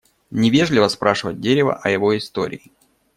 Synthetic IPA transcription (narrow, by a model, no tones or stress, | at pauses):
nʲɪvʲe̞ʐlʲɪvəspɾaʂɨvət̚ʲdʲeɾʲɪvə̰ʔɐjɪvo̞ɪst̪o̞̰ɾʲɪ̰ɪ